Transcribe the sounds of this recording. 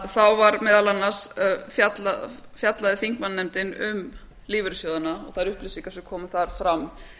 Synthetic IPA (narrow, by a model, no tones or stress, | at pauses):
θawvaɾmɛːðalanːḁsfjat̪la | fjat̪laðɪθiŋ̥kmanːɛmt̪ɪnʏ̰m | liːvʏɾɪsjɔðanaɔ̰ɣθaðɾʏhplɪsiŋkasʏkʰɔːmʏθaɾ̥fɾamː